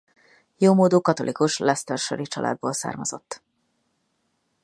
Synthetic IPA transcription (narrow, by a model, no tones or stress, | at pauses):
joːmoːd̪oːkɒt̪o̞lʔikuʃlɛst̪ørʃoɾit͡ʃɒlʔa̰ːd̪̚boːlsa̰ːrmɒzo̞t̪ː